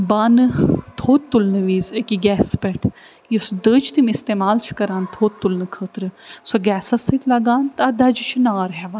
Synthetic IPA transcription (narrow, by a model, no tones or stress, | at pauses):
baːnɨt̪ʰoːt̪ːulnɨʋiːzekiɡɛːspeʈʰ | jisd̪əːt͡ʃʰt̪imist̪eːmaːlt͡ʃʰi̥kɐɾaːnt̪ʰoːt̪ːulnɨkʰəːt̪ɾɨsoɡɛːsasɨt̪ʰlɐɡaːnt̪ɐd̪ɐd͡ʒit͡ʃʰinaːɾɦɛʋa